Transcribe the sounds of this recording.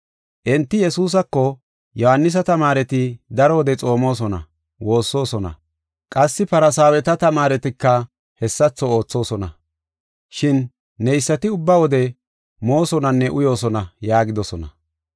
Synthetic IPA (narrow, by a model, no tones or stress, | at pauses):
ʔɛnt̪ːɪjɛsuːs̬ɐkːɔ | jɔhɐnːɪs̬ɐt̪ɐmaːɾɛt̪ɪd̪ɐɾɔwɔd̪ɛt͡sʼo̞ːmo̞ːs̬ɔnɐ̰ | wo̞ːsːo̞ːsɔnɐ̰ | kʼɐsːɪpɐɾɐsaːwɛt̪ɐt̪ɐmaːɾɛt̪ɪkːɐ | hɛsːɐt͡sːɔo̞ːt͡sːo̞ːsɔnɐ̰ | ʃɪnː | ɛjsːɐt̪ɪʊbːɐwɔd̪ɛ | mo̞ːsɔnɐnːɛʔʊjo̞ːsɔnɐjaːɡɪd̪ɔsɔnɐ̰